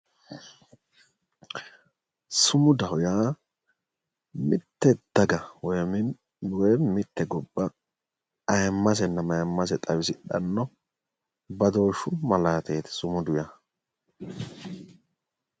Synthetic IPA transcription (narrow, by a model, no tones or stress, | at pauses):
sʊmʊd̪ɐhʊjaː | mɪt̪ːɛd̪̥ɐɡɐwɔjmɪ | wɔjmɪt̪ːɛɡɔbːɐ | ɐjmːɐs̬ɛnːɐmɐjmːɐs̬ɛt̪ʼɐwɪsɪᶑɐ̰nːɔ | bɐd̪o̞ːʃːʊmɐlaːt̪eːt̪ɛ̥sʊmʊd̪ʊja